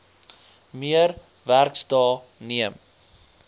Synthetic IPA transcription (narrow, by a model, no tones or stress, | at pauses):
miəɾ | værkstɑː | niəm